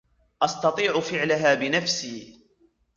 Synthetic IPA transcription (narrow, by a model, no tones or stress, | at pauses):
ʔɑst̪ɑt̪ˤiːʕʊfɪʕlaɦaːbɪnafsiː